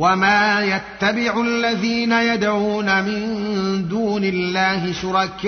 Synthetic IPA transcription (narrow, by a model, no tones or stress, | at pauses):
wamaːjat̪ːabɪʕʊlːaðiːnajad̪aɣuːnamɪnd̪uːnɪlːaːhɪʃʊɾˤɑkːɪ